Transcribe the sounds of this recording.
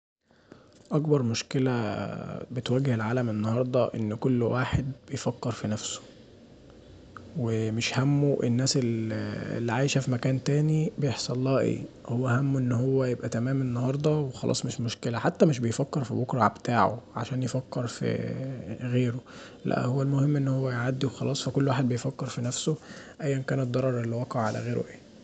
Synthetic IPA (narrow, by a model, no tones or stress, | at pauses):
ʔɑkbɑɾˤmoʃkelæ | bet̪wæɡːhelʕaːlæmʔenːɑhɑɾˤd̪ˤɑʔenːkolːwʔaːħed̪̚bejfækːeɾˤfinæfso̥ | wemeʃhæmːoʔenːæːselḛlːiʕaːjʃæfimækæːnt̪æːnibejeħsˤɑlˤːɑːʔḛːhowːæhæmːʔenːɦowːæjebʔæt̪æmæːmenːɑɦɑɾˤd̪ˤɑwexɑlʔɑ̰ːsˤmeʃmoʃkelæħat̪ːæmeʃ̬bejfækːeɾˤfibokɾˤɑ̰ʕbet̪aːʕo̰ʕa̰ʃæːnjefækːeɾˤfḭ | ɣeːɾo | læ̰ʔhowːælmohemːʔenːhowːæjʕad̪ːiwxɑlʔɑːsˤfækolːwaːħed̪̚bejfækːeɾˤfinæfsoʔæjːænkæːnetd̪ːɑɾˤɑɾˤʔelːiwɑqɑʕʕalæ̰ɣeːɾw̰ʔʔeː